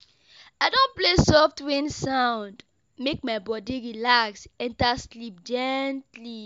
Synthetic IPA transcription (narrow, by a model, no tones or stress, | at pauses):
aɪdõnplesɔftwĩnsãʊ̃nd | mek̚maɪbɔdiɹilaksɛ̃ntaslip̚d͡ʒɛntli